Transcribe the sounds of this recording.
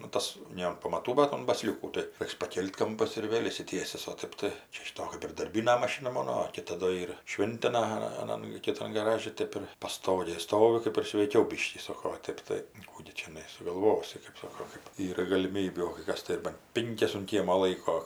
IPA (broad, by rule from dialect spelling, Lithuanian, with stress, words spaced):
nʊ ˈtɐs ˈnʲɛ ɐn pɐmɐˈtuː bɐt ʊn bɐˈsʲlʲuːkuː tɐɪ ˈrʲɛɪks pɐˈkʲeːlʲtʲ ˈkɐmpɐs ɪr ˈʋʲeːlʲ ɪʃʲsʲɪˈtʲiɛsʲɪs oː ˈtɜp tɐɪ ˈt͡ʃʲɛ ʃʲɪˈtoː kɜp ɪr dɐrʲˈbʲiːnɐ mɐˈʃʲɪnɐ ˈmoːnoː oː ˈkʲɪtɐ doː ˈiːr ˈʃʲʋʲɪnʲtʲɪnɐ ɐˈnɐn kʲɪˈtɐn ɡɐˈrɑːʒʲɪ ˈtʲeːp ɪr pɐˈstoːɡʲeːj ˈstoːʋʲɪ ˈkɜp ɪr sʲʋʲɛɪˈkʲɛʊ ˈbʲɪʃʲkʲiː ˈsoːkoː oː ˈtʲeːp tɐɪ ˈkuː ɡʲɪ t͡ʃʲɛˈnɐɪ sʊɡɐlˠˈʋoːsʲɪ kɜp ˈsoːkoː kɜp ˈiːrɐ ɡɐlʲɪˈmʲiːbʲuː oː kɐɪ ˈkɐs tɐɪ ɪr bɐn ˈpʲɪŋʲkʲɛs ʊn ˈkʲiɛmoː ˈlˠɐɪkoː